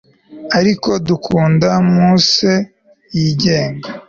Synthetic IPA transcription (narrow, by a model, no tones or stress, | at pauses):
aɾiko̞dukʰuːndamuse | jiɟe̞ːŋɡa